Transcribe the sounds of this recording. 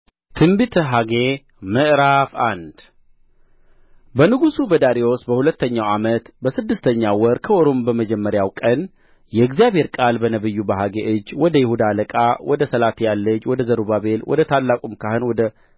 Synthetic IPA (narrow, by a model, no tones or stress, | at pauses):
t̪ʰɨmbɨt̪ʰəɦaɡe | məʔɾafa̰nd̪ | bənɨɡusubəd̪aɾiwo̞sbəhulət̪ːəɲːawamət̪bəsɨd̪ːɨst̪ʰəɲːawɔɾkʰəoɾombəməd͡ʒɛmːəɾjawkʼən | jɛɡzijaβhe̞ɾkʼalbənəβɨjːubəɦaɡeʔɨd͡ʒːwɔd̪əjɪhud̪aləkʼawɔd̪əsəlat̪ʰjalːəd͡ʒwɔd̪əzəɾubaβe̞lwɔ̰d̪ət̪ʰalːakʼumkʰahɨnwɔd̪ə